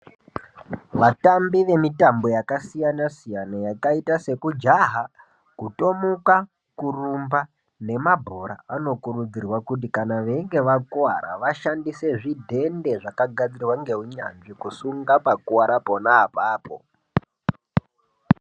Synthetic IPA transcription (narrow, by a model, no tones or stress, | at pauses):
ʋatambiʋe̞mitambo̞jakasijanasijanajakaitase̞kud͡ʒaɦa | kuto̞muka | kurumba | ne̞mabʱo̞ɾa̰ano̞kuɾud͡zirwakut̬ikanaʋe̞ŋɡe̞ʋakuwa̰ɾa̰ʋaʃandise̞ʐidʱe̞nde̞ʐakaɡʱad͡zirwaŋɡe̞ɦuɲa̰nʐikusuŋɡapakuwaɾapo̞naːpaːpo̰